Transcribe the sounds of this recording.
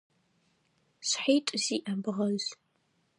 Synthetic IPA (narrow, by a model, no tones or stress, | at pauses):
ɕħiːtʼziːʔɐbɨʁɐz